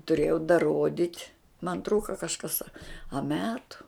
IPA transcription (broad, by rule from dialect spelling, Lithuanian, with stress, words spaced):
tʊˈrʲeːjɛʊ dɐˈroːdʲɪtʲ mɐn ˈtruːkɐ kɐʃˈkɐs ɐ ɐ ˈmʲæːtʊ